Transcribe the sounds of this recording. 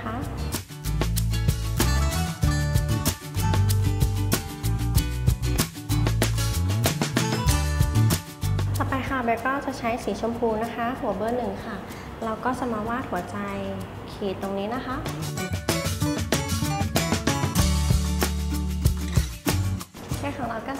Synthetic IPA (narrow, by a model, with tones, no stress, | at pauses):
kʰa˦˥ʔ | t͡ɕa˨˩pa˧jkʰa˥˩be˧kɔː˥˩t͡ɕa˨˩t͡ɕʰa˦˥jsiː˩˦t͡ɕʰo˧mpʰuː˧na˦˥kʰa˦˥hu˨˩˦bɤː˥˩nːɯ˨˩ŋkʰa˥˩ | ɾa˧wkɔː˥˩t͡ɕa˨˩maː˧waː˥˩t̪̚hu˩˦ɐt͡ɕa˧j | kʰiː˨˩t̪ːo˧ŋniː˦˥na˦˥kʰa˦˥ʔ | kʰɛː˥˩kʰɔː˩˦ŋɾa˧wkaː˥˩